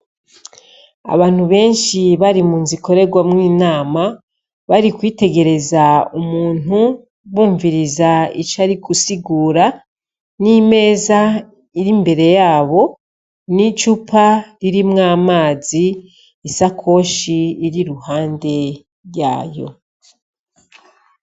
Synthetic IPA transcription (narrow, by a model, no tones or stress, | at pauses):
a̰βaːn̥huβe̞ːnʃiβaɾimuːnzikʰo̞ɾe̞ɡwamŋiːnaːma | βaɾikwiːte̞ɡe̞ɾe̞zaumuːn̥u | βuːɱviɾizait͡ʃaɾikusiɡuːɾa | nime̞ːza | iɾimbe̞ɾe̞jaːβo̞ | nit͡ʃupʰaɾiɾimŋaːmaːziː | sakʰo̞ːʃiːɾiɾuhaːnde̞ | ɾja̰ːjo̞̰